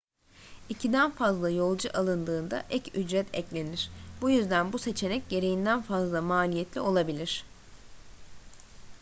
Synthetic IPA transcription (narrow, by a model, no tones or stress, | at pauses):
icʰid̪ænfazlˠajo̞lˠd͡ʒuʔalˠɯnd̪ɯːnd̪a̰ʔɛcyd͡ʒɾɛt̪ʰɛclʲe̞niɾ̥bujyzd̪ænbuse̞t͡ʃʰe̞nɛc̚ɟe̞ɾejind̪ænfazlˠamaːlʲijɛt̪ʰlʲio̞lˠabilʲiɾ̝̥